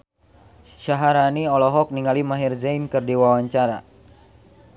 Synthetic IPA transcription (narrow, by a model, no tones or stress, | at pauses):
ʃaɦaɾaniɔlɔɦɔk̚niŋalimaɦirzajnkɨrdiwawaɲt͡ʃaɾa